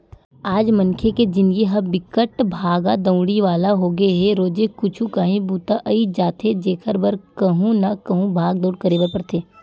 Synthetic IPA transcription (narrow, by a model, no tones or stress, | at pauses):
aːd͡ʒmɐnkʰeked͡ʒɪnɡiɦɐbɪkəʈbʱaːɡad̪ɐ̃ʊ̃ɽiʋaːlaɦoɡɐeɦɛɾoːd͡ʒekʊt͡ʃʰũkaːɦĩbuːt̪aʔɐid͡ʒaːt̪ʰed͡ʒeːkʰəɾbəɾkɐɦũnakɐɦũbʱaːɡd̪oːɽkɐɾeːbəɾpɐɾt̪ʰeː